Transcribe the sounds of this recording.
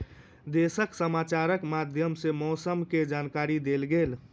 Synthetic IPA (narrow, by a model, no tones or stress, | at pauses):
d̪esəksəmaːt͡ʃaɾəkmad̪ʱjəmsemɔːsəmked͡ʒaːnkaɾid̪elɡeːl